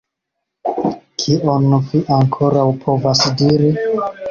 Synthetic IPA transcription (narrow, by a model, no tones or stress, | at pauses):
kʰiʔonviʔaŋkʰo̞ɾawpʰo̞vasdiɾi